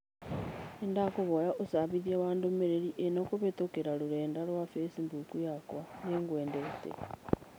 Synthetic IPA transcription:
endakuβojaʔusaβiðjaːβaːndomeɾeɾiʔenokuβetokeɾaluɾeːndalwafesimbukujakwaneŋɡweːndetḛ

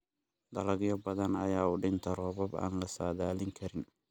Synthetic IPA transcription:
d̪ɐlɐɣjɔbɐðɐnɐjaːʊɖɪnt̪ʰɐɾɔːβɐba̰ːnlɐsaːðaːlɪŋkʰɐɾɪn

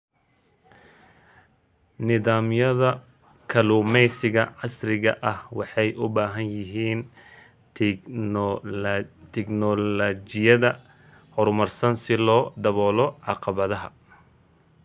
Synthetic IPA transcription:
nɪðaːmjɐðɐ | kʰɐluːmɛjsɪɣɐʕɑsrɪɣɐʔɐhwɑħɑjʔʊbaːɦɐnjɪɦiːn | t̪ʰɛknɔlɐt͡ʃɪjɐðɐ | hɔrmɐrsɐnsɪlɔːd̪ɐβɔːlɔʕɑqɑβɐðɐɦɐ

